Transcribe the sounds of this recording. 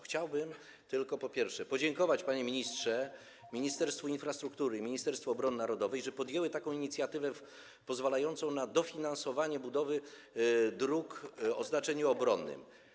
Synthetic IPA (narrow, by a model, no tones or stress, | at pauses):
xt͡ɕawbɘm | t̪ɘlkɔpɔpʲjɛɾfʂɛpɔd͡ʑɛŋkɔvat͡ɕpaɲɛmʲiɲistʂɛ | mʲiɲist̪ɛɾst̪fuinfɾast̪ɾukt̪uɾɘmʲiɲist̪ɛɾst̪fɔːbɾɔnɘnaɾɔd̪ɔvɛjʐɛpɔd̪jɛwɘt̪akɔ̃w̃iɲit̪sʲjat̪ɘvɛ | pɔzvalajɔnt̪sɔ̃w̃nad̪ɔfʲinansɔvaɲɛbud̪ɔvɘ | d̪ɾukɔznat͡ʂɛɲuɔbɾɔnːɘ̰m